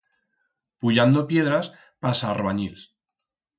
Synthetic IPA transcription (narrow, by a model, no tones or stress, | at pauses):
puʎand̪opje̞ðɾas | pasaːrβaɲils